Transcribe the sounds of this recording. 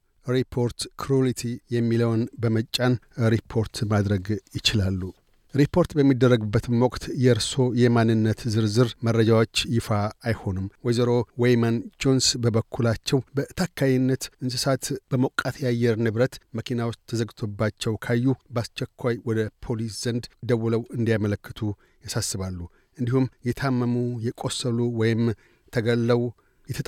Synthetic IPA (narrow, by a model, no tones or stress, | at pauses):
ɾipʰo̞ɾt̪kʰɾulit̪ʰijɛmːiləwnbəmət͡ʃʼːanɾipʰo̞ɾt̪ʰmad̪ɾəɡjɪt͡ʃɪlalːu | ɾipʰːo̞ɾt̪bəmːid̪ːərːəɡbːət̪mwɔkʼt̪jɛɾso̞jɛmanːɨnːət̪zɨɾzɨɾmərːəd͡ʒawo̞t͡ʃːjɪfaːjho̞nɨmwɔjzəɾo̞wejmand͡ʒonsbəbəkʰːulat͡ʃːɛwbət̪ʰakʰːajɪnːət̪ɨnsɨsat̪b̥əməkʼat̪ʰjajːɛɾnɨβɾət̪məkʰinawost̪ʰːəzəɡɨt̪ʰo̞bːat͡ʃːɛwkʰajːubast͡ʃːɛkʰʷːajwɔd̪əpʰo̞lisz̥ənd̪d̪əwuləwɨnd̪ijamələkːɨt̪ʰu | jasasːɨβalːu | ʔɨnd̪ihumjɛt̪ʰamːəmujɛkʼosːəluwɔjɪm | t̪ʰəɡəlːəw | jɛt̪ʰət̪